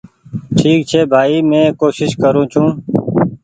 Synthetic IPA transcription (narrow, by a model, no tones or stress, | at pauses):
ʈʰiːk̚t͡ʃʰeːbʱaːiːmẽːkoːʃɪʃkəɾũːt͡ʃʰũː